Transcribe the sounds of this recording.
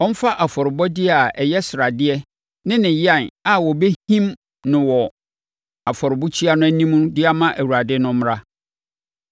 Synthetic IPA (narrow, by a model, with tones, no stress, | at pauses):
ɔ̃˦m̩˦fa˦ʔa˨fɔ˨ɾɪ˨bɔ˦dɪ˦˨a˨ɛ˨jɛ˦sɪ˨ɾa˨dɪ˦ɛ˦ | nɪ̃˦nɪ̃˨jɪ˦a˨na˨wɔ˨be˦hĩ˦m | nʊ̃˨wɔ˨ | a˨fɔ˨ɾɪ˨bu˦t͡ɕʰi˦a˦nʊ̃˦æ˦nĩ˦mũ˦dɪ˦a˦mã˦ʔæ˨wu˨ɾa˨dɪ˦nʊ̃˦m˦ɾa˦